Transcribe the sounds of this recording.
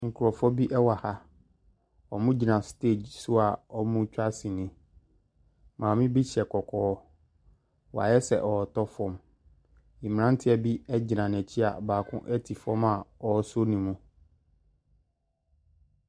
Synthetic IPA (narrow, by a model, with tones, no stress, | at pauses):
ŋ̩˨kʰu˨ɾɔ˨fɔ˦bi˦ʔɛ˦wa˨ha˦ | ɔ˨mũ˦d͡ʑi˨nã˨ste˦˨d͡ʑsʊ˦a˨ɔ˦mũ˦t͡ɕᶣa˦sĩ˨nɪ̃˨ | mãː˨mĩ˦bi˦ɕɛ˨kʰɔ˨kʰɔː˦ | wa̰˨jɛ˦sɛ̰˨ʔɔ˨tɔ˦fɔ̃˦m | ĩ˨m̃˨nã˦n˦tʰɪ˦ɛ˨bi˦ɛ˦d͡ʑi˨nã˨n˨ɛ̃˨t͡ɕʰi˦a̰˨baː˨kʰʊ̰̃˦ʔɛ˦tʰi˨fɔ˦ma˨ɔ˨˦so˦nĩ˨mũ˦